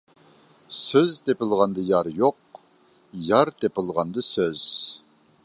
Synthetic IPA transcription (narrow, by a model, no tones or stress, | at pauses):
søzt̪ʰepɪlˠʁɑnd̪əjɑɾjoq̚ | jɑɾt̪ʰepɪlˠʁɑnd̪ɨsøz̥